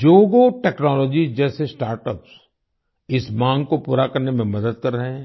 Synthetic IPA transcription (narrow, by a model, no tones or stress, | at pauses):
d͡ʒoːɡoʈɛːknɔːlɔːd͡ʒizd͡ʒɛːsesʈaːɾʈəps | ɪsmãːŋɡkopuːɾakɐɾnemẽmɐd̪əd̪kɐɾːɐɦeɛ̃ː